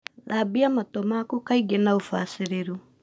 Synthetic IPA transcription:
ðabiamatɔmakukaiɡenaufasiɾeɾu

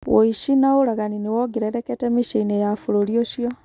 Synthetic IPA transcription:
woiʃinaoɾaɣaninewɔɡeɾaɾɛkɛtɛmiʃeinejafoɾoɾioʃiɔ

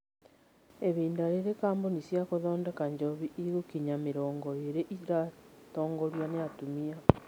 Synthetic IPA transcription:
eβiːndaɾeɾekaːmbonisjakoðɔːndekaɲd͡ʒoβiiɣukiɲameɾɔːŋɡɔeɾeʔiɾatɔːŋɡɔɾjaneatumia

